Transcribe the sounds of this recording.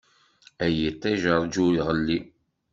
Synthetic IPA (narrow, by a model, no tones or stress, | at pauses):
æjit̪ˤːæʒəɾˤd͡ʒuɾiʁəlːi